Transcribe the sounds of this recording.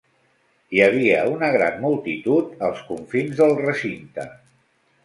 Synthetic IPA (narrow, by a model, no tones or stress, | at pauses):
jəβ̞iəunəɣ̞ɾa̰nmulˠt̪it̪ut̪əlˠskuɱfinzðəlˠrəsint̪ə̰